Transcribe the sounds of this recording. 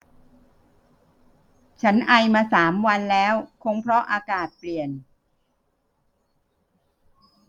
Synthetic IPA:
t͡ɕʰa˦˥nʔa˧jmaː˧saː˩˦mwa˧nlɛː˦˥wkʰo˧˥ŋpʰɾɔ˦˥ʔaː˧kaː˨˩t̪̚pli˨˩ən

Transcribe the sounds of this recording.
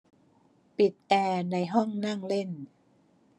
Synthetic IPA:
pi˨˩t̪̚ʔɛː˧na˧jɦɔ˥˩ŋna˥˩ŋle˥˩n

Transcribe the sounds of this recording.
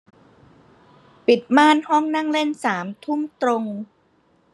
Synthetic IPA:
pi˨˩t̪̚maː˥˩nhɔ˥˩ŋna˥˩ŋle˥˩nsaː˩˦mt̪ʰu˥˩mt̪ɾo˧ŋ

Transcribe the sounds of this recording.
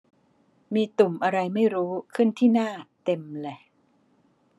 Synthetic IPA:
miː˧t̪u˨˩mʔa˧ɾa˧jma˥˩jɾuː˦˥kʰɯ˥˩nt̪ʰiː˥˩naː˥˩t̪e˧mle˧˩

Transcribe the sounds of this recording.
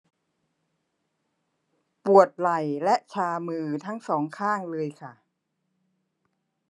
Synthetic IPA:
pu˨˩ət̪̚la˨˩jlɛ˦˥ʔt͡ɕʰaː˧mɯː˧t̪ʰa˦˥ŋsɔː˩˦ŋkʰaː˥˩ŋlɤː˧jkʰa˥˩

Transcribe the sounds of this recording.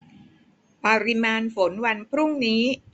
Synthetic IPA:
pa˧ɾi˧maː˧nfo˩˦nwa˧npʰɾu˥˩ŋniː˦˥

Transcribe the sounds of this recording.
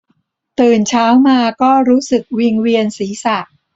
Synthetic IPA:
t̪ɯː˨˩nt͡ɕʰaː˦˥wmaː˧kɔː˥˩ɾuː˦˥sɯ˨˩k̚wi˧ŋwi˧ənsiː˩˦sa˨˩k̚

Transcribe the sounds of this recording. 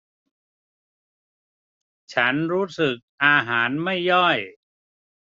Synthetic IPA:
t͡ɕʰa˦˥nɾuː˦˥sɯ˨˩k̚ʔaː˧ɦaː˩˦nma˥˩jːɔ˥˩j

